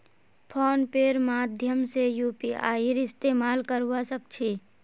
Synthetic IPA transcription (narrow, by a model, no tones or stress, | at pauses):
pʰɔːnpeɾmaːd̪ʱjəmsejuːpia̰ːiɾɪst̪eːmaːlkəɾuʋasək̚t͡ʃʰi